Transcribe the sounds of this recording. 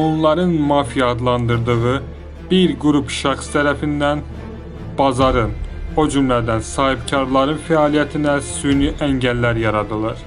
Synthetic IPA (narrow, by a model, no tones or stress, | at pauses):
o̞nlˠɑɾɯnmɑːfijɑd̪lˠɑnd̪ɯɾd̪ɯɣɯ | b̥iɾɡuɾupʃɑχst̪ʰæɾæfind̪æn | b̥ɑzɑɾɯno̞d͡ʒymlæd̪ænsɑːhibcʰɑɾlˠɑɾɯnfæɑlijæt̪ʰinæsynyʔæɲɟælːæɾjɑɾɑd̪ɯlˠɑɾ